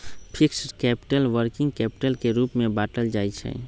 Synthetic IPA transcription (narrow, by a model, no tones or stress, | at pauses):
pʰɪksʈkɛːpɪ̥ʈəlʋəɾkɪ̃ŋɡ̚kɛːpɪ̥ʈəlkeɾuːpmẽbaːʈəld͡ʒaːit͡ʃʰɛ̰